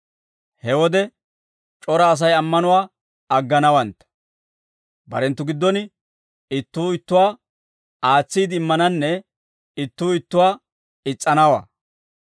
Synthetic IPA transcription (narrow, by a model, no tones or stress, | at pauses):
hɛwɔd̪ɛ | t͡ʃʼɔɾɐːs̬ɐjɐmːɐnʊwaː | ɐɡːɐnɐwɐnt̪ | bɐ̰ɾɛnt̪ːʊɡɪd̪ːɔnɪ | ɪt̪ːuːɪt̪ːʊwaː | aːt͡sːiːd̪ɪmːɐnɐnːɛ | ɪt̪ːuːɪt̪ːʊwaː | ɪt͡sʼːɐnɐwa̰